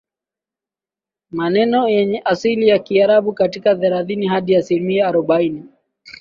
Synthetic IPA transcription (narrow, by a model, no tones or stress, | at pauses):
manɛnɔjɛɲɛʔasilijakiaɾaɓukatikaðɛɾaðinihaɗiasilimiaːɾɔɓaini